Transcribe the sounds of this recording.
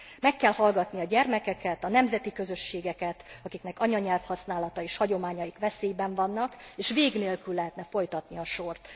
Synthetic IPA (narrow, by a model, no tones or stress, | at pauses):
mɛkːɛlhɒlɡɒt̪niɒɟɛrmɛkɛkɛt̪ɒnɛmzɛt̪ikø̞zø̞ʃːeːɡɛkɛt̪ɒkiknɛkɒɲɒɲɛlfhɒsnaːlɒt̪ɒeːʃhɒɟo̞maːɲɒjikʋɛseːjbɛɱvɒnːɒkeːʃveːɡneːlkylːɛɦɛt̪nɛfo̞jt̪ɒt̪niɒʃo̞rt̪